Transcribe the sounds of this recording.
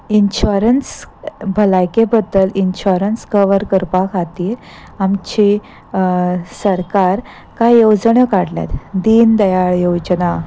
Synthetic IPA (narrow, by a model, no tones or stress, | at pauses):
inɕuɾənsbʱəlajkebəd̪ːəlinɕuɾənskəʋəɾkəɾpakʰat̪iɾ | amt͡ɕi | səɾkaɾ | kajod͡zɳəkaɽlja̰t̪d̪iːnd̪əjaɭjod͡ʑəna